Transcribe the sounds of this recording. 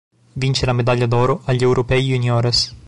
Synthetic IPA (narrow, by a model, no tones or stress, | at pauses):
vint͡ʃelamed̪aʎːad̪ɔːɾoʔaʎːɛwɾʔopɛjunjɔːɾes